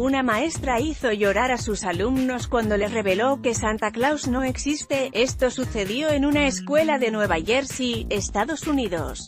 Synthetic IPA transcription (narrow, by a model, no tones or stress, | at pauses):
unamae̞st̪ɾaiθo̞ʝo̞ɾaɾasusalumno̞skwand̪o̞le̞sre̞βe̞lo̞ke̞sant̪aklawzno̞e̞ksist̪e̞e̞st̪o̞suθe̞ðjo̞e̞nunae̞skwe̞laðe̞nwe̞βaʝe̞ɾsiest̪aðo̞suniðo̞̰s